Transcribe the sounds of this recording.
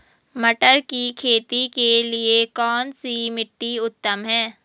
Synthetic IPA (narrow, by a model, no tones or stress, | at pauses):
mɐʈəɾkikʰeːt̪ikeliekɔːnsimɪʈːiʊt̪ːəmɦɛ̃ː